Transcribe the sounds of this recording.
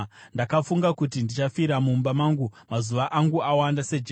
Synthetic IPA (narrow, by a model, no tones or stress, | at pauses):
ndakafuŋɡakut̬indit͡ʃafiɾamumbamaːŋɡumazuʋaʔaŋɡuawandase̞d͡ʒe